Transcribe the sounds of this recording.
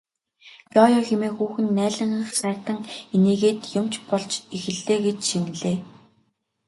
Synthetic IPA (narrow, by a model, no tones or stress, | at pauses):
jɔjɔxemeːxuːxɘ̆nːæːɮə̆ɴ̆χsæ̥ːt̪ə̆ŋiniːɣeːt̪jʊmt͡ɕpɔɮt͡ɕixɘ̆ɮːeːɡet͡ɕʃin̆ɮeː